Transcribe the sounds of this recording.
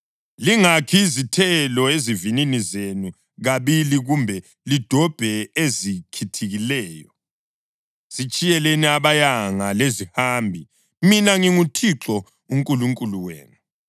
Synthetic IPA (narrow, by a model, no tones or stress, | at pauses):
liŋakʰizitʰɛlɔezivininizenu | ɣaβiliɣumbʱɛ | lid̥ʱɔb̥ʱɛezikʰitʰiɣilɛːjɔ | z̥it͡ʃʼijɛlɛnɛaβajaŋalezihaːmbʱi | minaŋiŋutʰiǁɔ | uŋkʼuluŋkʼuluwḛːnu